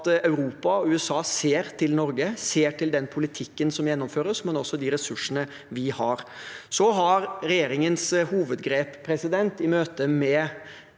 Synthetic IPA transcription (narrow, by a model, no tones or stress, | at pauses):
t̪ɑʉɾuːpɑɔʉːɛsɑːseːɾt̪ʰɪlnɔɾɡəseːʈʰɪld̪ɛnpʰʊlɪt̪ʰɪkːənsɔmjɛnːɔmføːɾəsmɛnɔsːɔd̪iɾɛsʉʂənə | ʋɪhɑɾsɔɦɑɾɾɛjeːɾɪŋənshuːʋəd̪ɡɾeːpʰːɾɛsɪd̪ɛnt̪ɪmøːt̪əmɛ